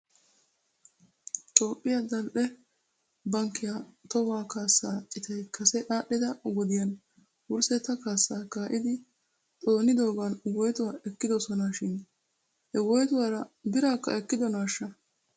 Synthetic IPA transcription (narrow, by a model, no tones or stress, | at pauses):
t̪ʼo̞ːpʼːɪjad̪ɐlʔɛ | bɐŋkːɪjat̪ɔwaːkaːsːaːt͡ʃʼɪt̪ɛjkɐsɛʔaːɗːɪd̪ɐɡɔd̪ɪjɐn | wʊɾsɛt̪ɐkaːsːaːkaːʔɪd̪ɪ | t̪ʼo̞ːnɪd̪o̞ːɡanwɔjt̪ʊwaːʔɛkːɪd̪ɔsɔnaʃɪn | hɛwɔjt̪ʊwaːɾɐbɪɾaːkːɐ̰ɛkːɪd̪ɔnaːʃːɐ